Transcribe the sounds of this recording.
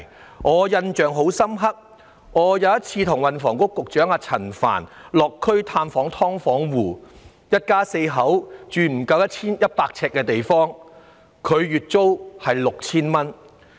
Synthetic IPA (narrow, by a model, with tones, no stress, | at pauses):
ŋɔː˨˧jɐ˧nt͡ʃœː˨ŋɦo˨˥wsɐ˥mɦɐ˥k̚ | ŋɔː˨˧jɐ˨˧wjɐ˥t̚t͡sʰiː˧t̪ʰʊ˨˩ŋwɐ˨nfɔː˨˩ŋkʊ˥kːʊ˨k̚t͡ʃœː˨˥ŋaː˧t͡sʰɐ˨˩nfa̰ː˨˩nlɔː˨kʰːɵ˥ɥt̪ʰaː˧mfɔː˨˥ŋt̪ʰɔː˥ŋfɔː˨˥ŋwuː˨˩ | jɐ˥t̚kaː˥se˧jɦɐ˨˥wt͡ʃyː˨m̩˨˩kɐ˧wjɐ˥t̚t͡sʰiː˥njɐ˥t̚paː˧k̚t͡sʰɛː˧kːɛː˧t̪e˨jfɔː˥ŋ | kʰɵ˨˧ɥɥyː˨t̚t͡so˥whɐ˨jlʊ˨k̚t͡sʰiː˥nmɐ˥n